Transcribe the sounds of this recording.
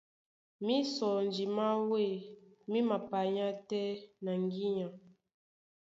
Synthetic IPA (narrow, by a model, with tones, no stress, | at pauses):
mi˦sɔ˨n˨d͡ʒi˨ma˦we˦˨ | mi˦ma˨pa˨ɲã˦tɛ˦na˨ŋɡi˦ɲã˨